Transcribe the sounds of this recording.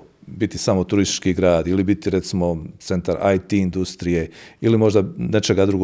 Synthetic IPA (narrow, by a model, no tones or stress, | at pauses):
bit̪isamot̪uɾist̪i̥t͡ʃkiɡɾaːd̪ilibit̪iɾe̞t̪simo̞t̪se̞nt̪aɾa̰jt̪iːnd̪ust̪ɾije̞ilimo̞ʒd̪anet͡ʃe̞ɡad̪ɾuɡo